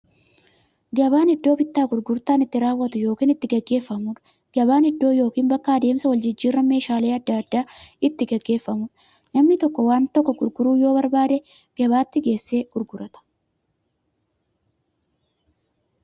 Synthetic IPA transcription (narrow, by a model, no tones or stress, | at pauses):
ɡɐβaːnɪd̪ːo̞ːbɪt̪ːaːɡʊɾɡʊɾt̪aːnɪt̪ːɪɾaːwːɐt̪ʊjo̞ːkiːnɪt̪ːɪɡɛɡːe̞ːfːɐmuːᶑ | ɡ̥ɐbaːnɪd̪ːo̞ːjo̞ːkiːnbɐkːaːd̪e̞ːmsɐwɐld͡ʒɪd͡ʒːiːrːɐme̞ːʃaːleːɐd̪ːɐɐd̪ːaːɪt̪ːɪɡɛɡːe̞ːfːɐmuːᶑ | nɐmnɪt̪ɔkːɔwaːnt̪ɔkːɔɡʊɾɡʊɾuːjo̞ːbɐɾbaːd̪ɛ | ɡ̥ɐβaːt̪ːɪɡe̞ːsːe̞ːɡ̥ʊɾɡʊɾɐt̪ɐ̥